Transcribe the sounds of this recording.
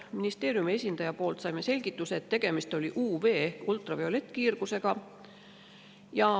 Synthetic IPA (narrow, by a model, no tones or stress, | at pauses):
minist̪e̞ːɾjumie̞sʲind̪̥ɑjɑpo̞ːlt̪sɑjmese̞lʲɡ̥it̪ːˑuseet̪ːe̞ɡ̥e̞mist̪o̞lʲiʔuːve̞ːehkult̪ˑrɑveo̞le̞t̪ːˑkiːrɡ̥use̞ɡ̥ɑ | jɑ